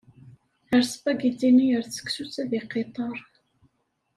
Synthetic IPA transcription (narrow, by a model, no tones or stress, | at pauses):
əɾsbæɡid̪inijəɾθt͡sːə̥ksut͡sːæðiqet̪ˤɑɾˤ